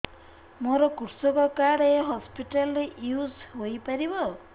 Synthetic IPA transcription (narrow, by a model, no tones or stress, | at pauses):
moɾɔkuɾsɔkɔkaɽeɦɔspiʈalɔɾeʔjusɦojpaɾibɔ